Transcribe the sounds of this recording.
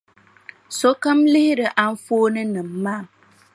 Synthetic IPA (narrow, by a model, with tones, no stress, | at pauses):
so˦ka˦mlɪ˦hɪ˦ɾɨ˨ʔa˦n̩˦foː˦nɨ˦nɨ˨mː˨aː˦˨